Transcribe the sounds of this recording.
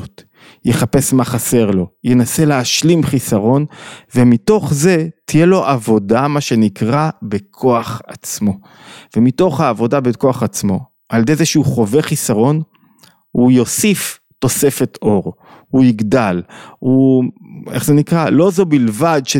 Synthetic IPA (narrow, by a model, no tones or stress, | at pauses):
t | jeχape̞smaχase̞ʁlo̞jenase̞leaʃlimχisaʁo̞nve̞mito̞χze̞tije̞lo̞ʔavo̞damaʃe̞nikʁabekʰo̞aχat͡smo̞ | vemito̞χhaːvo̞dabeko̞aχat͡smo̞ | aljd̪ejzeʃuχo̞ve̞χisaʁo̞n | hujo̞sif | to̞se̞fe̞tʰo̞ʁ | hujiɡdalu | eχzenikʁalo̞zo̞bilvadʃe